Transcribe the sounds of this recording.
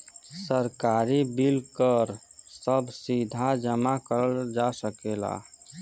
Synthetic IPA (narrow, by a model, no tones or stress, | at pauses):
səɾkaɾibilkəɾsəbsid̪ʱad͡ʒəmakəɾəd͡ʒasəkela̰